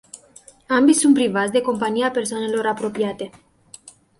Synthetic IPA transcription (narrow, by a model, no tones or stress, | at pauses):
ambisunt̪̚pɾivat̪sʲd̪e̞ko̞mpaniape̞rsoane̞lo̞ɾapɾo̞piat̪e̞